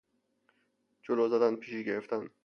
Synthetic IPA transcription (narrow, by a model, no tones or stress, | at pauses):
d͡ʒoloːzæd̪ænpʰiːʃiːɡeɾeft̪ʰæn